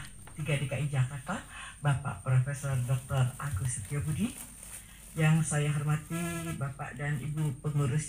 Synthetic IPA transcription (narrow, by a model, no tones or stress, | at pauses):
t̪iɡadekaʔid͡ʒakart̪abapa̰ʔpɾofesɔrdɔk̚t̪ɔraɡusit̪ijabudi | jaŋsajaɦɔrmat̪ibapa̰ʔdanḭbupəŋuɾus